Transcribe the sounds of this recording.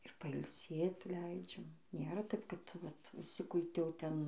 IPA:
ɪr pɐɪlʲˈsʲeːt ˈlʲɛɪd͡ʒʲɛm ˈnʲeːrɐ ˈtɐɪp kɐt ˈʋɐt ʊʃʲˈsʲɪkʊɪtʲɛʊ ˈtʲɛn

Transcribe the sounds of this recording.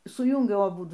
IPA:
sʊˈjuːŋʲɡʲɛʊ ɐˈbʊdʊ

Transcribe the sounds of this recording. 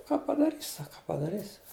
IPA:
kɑː pɐdɐˈrʲiːsʲ ˈsɑːkɐ kɑː pɐdɐˈrʲiːsʲ

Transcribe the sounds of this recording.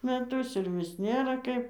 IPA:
mʲɛˈtʊs ɪr ˈʋʲɪs ˈnʲeːrɐ ˈkɐɪp

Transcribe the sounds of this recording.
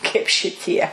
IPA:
kɐɪp ʃʲɪˈtʲiɛ

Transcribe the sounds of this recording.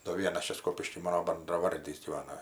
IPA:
doː ˈʋʲiɛnɐs ˈt͡ʃʲɛ ˈskoːpʲɪʃʲkʲiː ˈmɑːnoː bɐndrɐˈʋɐrʲdʲiːs ɡʲiːˈʋɑːnɐ

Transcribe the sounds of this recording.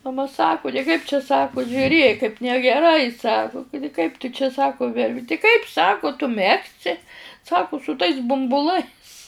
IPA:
mɐˈmɐ sɐˈkʊ tɐɪ ˈkɐɪp t͡ʃʲɛ ˈsɑːkʊ ʒʲʊˈrʲeːk kɐɪp nʲɛɡʲɛˈrɐɪ ˈsɑːkʊ ˈkʊdʲɪ kɐɪp tʊ t͡ʃʲɛ ˈsɑːkʊ tʲɪ ˈkɐɪp ˈsɑːkʊ tʊ ˈmʲæːksʲɪ ˈsɑːkʊ sʊ tɐɪs bʊmbʊˈlˠɐɪs

